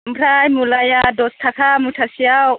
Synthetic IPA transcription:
mpʰɾajmulajadost̪ʰakʰamutʰasiaw

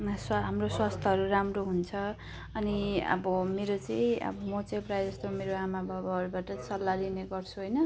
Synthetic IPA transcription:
sɦamroswast̪ʰʌɦʌɾuɾamroɦunt͡sʰʌ | ʌniʌ̰bʌmeɾot͡sʌĩʌ̰bʌmʌt͡sajprajd͡zʌst̪omeɾoamabʱabʌɦʌɾubaʈʌt͡sʌlːalineɡʌrt͡sʰuɦojnʌ

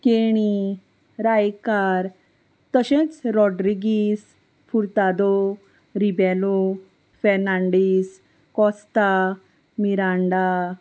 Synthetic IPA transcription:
keɽ̃i | ɾajkaɾ | t̪əɕẽt͡sɾɔɖɾiɡis | fuɾt̪ad̪ɔ | ɾibɛlo | fɛɾnaɳɖis | kɔst̪a | miɾãɳɖa

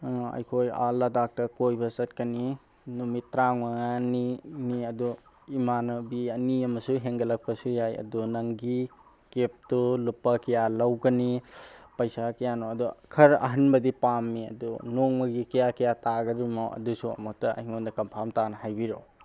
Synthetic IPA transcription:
ɐ̰jkʰoja̰lɐdak̚tɐkojbɐsɐt̚kɐni | numitɾaŋmaŋaniniɐdu | imanɐbiɐniɐmɐsuɦeŋɡɐlɐk̚pɐsujajɐ̰dunɐŋɡi | kep̚tulupːɐkɐjalɐwɡɐnipɐjsakɐjanoɐdukʰɐɾɐ̰ɦɐnbɐdipamːiɐ̰dunoŋmɐɡikɐjakɐjataɡɐɾimoɐ̰dusuɐ̰mutɐɐ̰hiŋondɐkɐmpʰamtanɐhajbiɾo̰

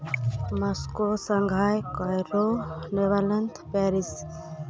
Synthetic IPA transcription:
mɔskosəŋɡʱaːjkɔɾoneʋalənt̪ʰpɛːɾis

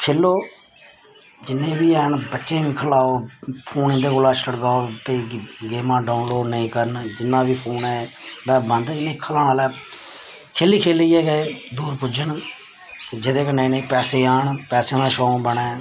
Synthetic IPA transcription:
kʰeːlːoː | d͡ʒɪnːẽːbiːɛːɳbətːʃẽːʋĩːkʰəlaːoːpʰuːnɪ̃nd̪eːkʊlaːt͡ʃləɽɡaːoːpeɡeːmãːɖaːʊnloːɖnəĩːkəɾnd͡ʒɪnːãːʋiːpʰuːnɛːɽɛːbənd̪ɪnẽːkʰəlãːnaːlɛː | kʰeːliːkʰeːliːɛːɡed̪uːɾpʊd͡ʒəɳ | t̪eːd͡ʒɪd̪ẽːkənẽːnẽːpɛːseːaːɳpɛːsẽːd̪ãːʃõːbəɳɛ̃ː

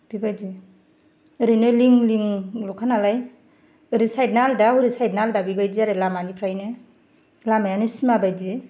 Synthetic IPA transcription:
b̥ibajdi | ɯɾɯnɯliŋliŋlɔkʰanalaj | ɯɾisajdnaldahuɾisajdnaldabibajdiaɾɯlamanipʰɾajnɯ | lamajanɯsimabajdi

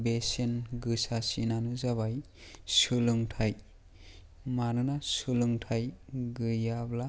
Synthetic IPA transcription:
besenɡɯsasinanɯzaβaj | sulɯŋtʰaj | manɯnasulɯŋtʰajɡɯjabla

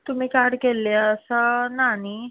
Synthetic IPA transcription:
t̪um̤iːkaɾɽkelːeəsənani

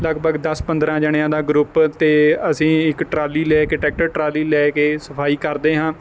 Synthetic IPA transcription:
ləɡbəɡd̪əspə̃nd̪ɾãːd͡ʒəɽ̃ɪjãːd̪aːɡɾʊpt̪eːəsĩːɪkʈɾaːliːlɛːkeːʈɛːk̚ʈəɾʈɾaːliːlɛːkeːsəpʰaːiːkəɾd̪eːɦãː

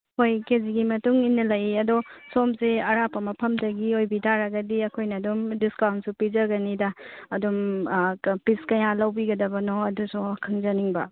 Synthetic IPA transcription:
hojkeziɡimɐtuŋinːɐlɐjiɐdosomseɐɾapɐmɐpʰɐmdɐɡiojbidaɾɐɡɐdiɐkʰojnɐːdumdiskawntsupizɐɡɐnidɐːdum | piskɐjalɐwbiɡɐdɐbɐnoɐdusukʰɐŋzɐniŋbɐ̰

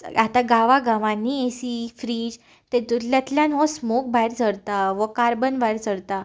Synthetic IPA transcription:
at̪aɡaʋaɡãʋãnːiesifɾiːd͡ʑ | t̪et̪ut̪ljat̪ljãnɦɔ̃smok̚bajɾd͡zʰʱəɾt̪aʋəkaɾbənbajɾd͡zəɽt̪a

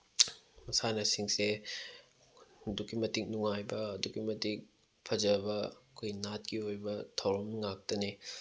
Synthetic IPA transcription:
mɐsanɐsiŋse | dukːimɐtik̚nuŋajbɐːdukimɐtik̚ | pʰɐd͡ʒɐbɐkʰojnat̚kiojbɐtʰɐwɾɐmŋak̚tɐne

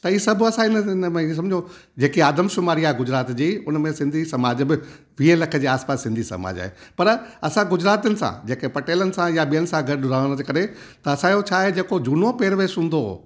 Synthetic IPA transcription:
t̪ɐiːsɐbʱɐsãɪnəɪnmẽiẽs̬ɐ̃md͡ʑʱijõ | d͡ʑeːkiaːd̪əmʃʊmaːɾiaːɦeɡʊd͡ʑɾaːt̪d͡ʑiːʊnmẽsɪ̃nd̪ʱisɐmaːd͡ʑbɪ | ʋielɐkʰə̆d͡ʑeːaːspaːsːɪ̃nd̪ʱisɐ̰ma̰ːd͡ʑa̰ɦḛpɐɾɐsãɡʊd͡ʑɾaːt̪iənɪ̆sã̰d͡ʑeːkepɐʈeːlənɪ̆sãjaɓijənɪ̆sãɡʱɐɗɾaːəɽ̃əd͡ʑekɐɾet̪ɐɐsãːijot͡ɕʰaːɦed͡ʑeːkod͡ʑuːnopeːɾʋeːsɦũːnd̪o

